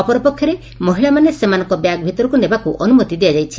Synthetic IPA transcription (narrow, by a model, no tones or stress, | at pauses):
ɔpɔɾɔpɔkʰjɔɾe | mɔɦiɭamanesemanɔ̃ŋkɔbjaɡ̚bʱit̪ɔɾɔkunebakuʔɔnumɔt̪id̪iad͡ʒajt͡ʃʰi